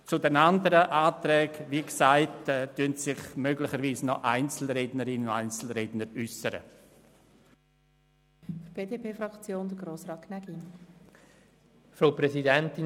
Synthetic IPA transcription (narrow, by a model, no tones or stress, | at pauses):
t͡sudɛnandəɾəʔaːt̪ɾɛːɡʋiksaɪtɛtyntsɪχmøɡlɪχəɾviːsnɔʔaɪnt͡sl̩ɾeːdnəɾɪnʊaɪnt͡sl̩ɾednəɾysəɾə̰ | fb̥eːdeːpʰeːfɾɑkt͡sjoːnd̪əɡɾoːsɾɑːt̚kʰnɛɡin | fɾoʊpɾɛsidɛntɪ